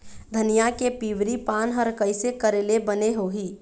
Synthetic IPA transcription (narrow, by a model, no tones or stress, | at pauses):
d̪ʱənijakepiːʋɾipaːnɦəɾkəɪsekəɾeːlebəneɦoɦiː